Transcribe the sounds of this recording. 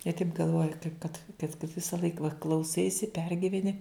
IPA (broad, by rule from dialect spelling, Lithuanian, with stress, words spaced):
jiɛ tɐɪp ɡɐlˠˈʋoːjɛ kɐɪp kɐt kɐt kɐt ʋʲɪsɐˈlˠɐɪk ʋɐ klˠɐʊˈsɐɪsʲɪ ˈpʲɛrʲɡʲɪʋʲɛnʲɪ